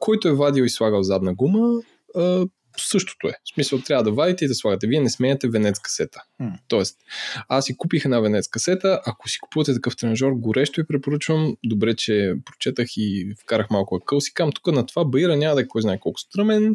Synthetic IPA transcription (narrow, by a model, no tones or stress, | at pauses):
kʰɔjt̪oɛvad̪ioislˠaɡəlˠzad̪nɐɡuməː | sɤʃt̪o̥t̪oɛsmisəlˠt̪ɾʲavəd̪ɐvad̪it̪ɛid̪ɐslˠaɡət̪ɛviɛnɛsmɛɛt̪ɛvɛnɛt̪skɐ̥sɛt̪ə̥t̪ɔɛst̪asːikupixɛnavɛnɛt̪skɐsɛt̪əʔɐkosi̥ku̥puvət̪ɛt̪ɐkɤft̪ɾɛnʒɔɾɡoɾɛʃt̪oipɾɛpoɾɤt͡ʃvəmd̪obɾɛt͡ʃɛpɾot͡ʃɛt̪əxifkaɾəxmalˠkʊɐkɤlˠsi̥kamt̪u̥kənɐt̪ovabɐiɾɐnʲamɐd̪ɐkkɔjznaɛkɔlˠko̥st̪ɾɤmɛn